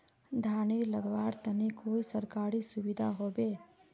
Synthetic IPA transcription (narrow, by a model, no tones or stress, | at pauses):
d̪ʱaːɳiːlɐɡʋaːɾt̪ɐnekoːisɐɾkaːɾiːsuʋid̪ʱa̰ɦoːbeː